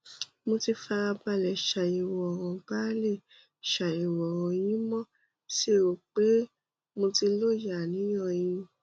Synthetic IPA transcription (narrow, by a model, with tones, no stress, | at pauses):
mo˧ti˧fa˧a˧ba˧lɛ˨ʃa˨i˨wɔ˨w̃ɔ̃˨ba˦le˦˨ | ʃa˨i˨wɔ˨w̃ɔ̃˧j̃ĩ˦mɔ̃˦˨ | ʃe˦˨o˨k͡pe˨˦ | mo˧ti˧lo˦ja˨nĩ˨˦j̃ɔ̃˦˨j̃ĩ˧